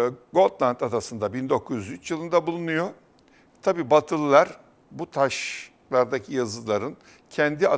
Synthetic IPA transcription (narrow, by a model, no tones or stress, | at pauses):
ɡo̞t̪lˠant̪ad̪asɯnd̪abind̪o̞kʰːuzjyzyt͡ʃjɯlˠɯnd̪abulˠunujo | t̪ʰabiːbat̪ʰɯlˠlˠaɾ | but̪ʰaʃ | lˠaɾd̪acʰijazɯlˠaɾɯn | cʰɛnd̪ia